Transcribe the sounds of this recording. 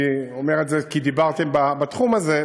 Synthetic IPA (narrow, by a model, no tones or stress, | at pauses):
omeʁetzekid̪ibaʁt̪e̞mbabat̪χumaze